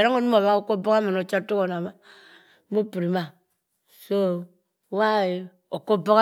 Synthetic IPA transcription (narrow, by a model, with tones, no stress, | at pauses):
ɾa˦ŋo˦nu˦m˦o˨βa˦o˦˨ko˦bo˦ka˦ma˨no˨t͡ʃa˦to˦ko˨na˨ma˦ | mo˦pi˨ɾi˨ma˨ | so˦˨ | wa˦e˨ | o˨ko˦bo˦ka˦